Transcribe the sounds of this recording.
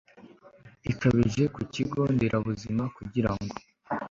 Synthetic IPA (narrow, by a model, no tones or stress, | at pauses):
ikaβiʒe̞kuciɡo̞ndeɾʔaβuzimakuɟiɾaŋɡo̞̥